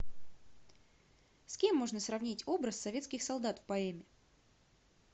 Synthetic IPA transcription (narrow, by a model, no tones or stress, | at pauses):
skʲe̞mːo̞ʐnəsrɐvnʲitʲo̞bɾəsːɐvʲe̞t̪skʲɪxsɐlˠd̪at̪fpɐɛmʲɪ